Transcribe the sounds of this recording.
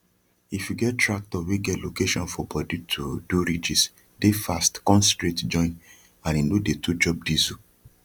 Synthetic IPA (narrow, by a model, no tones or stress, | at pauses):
ifjuɡɛttɹak̚tɔweɡɛtlokeʃɔ̃nfɔbɔditʰuduɾid͡ʒis | defastkɔ̃nstɹetd͡ʒɔ̃ɪ̃n | ãnĩndodetʰud͡ʒɔp̚dizu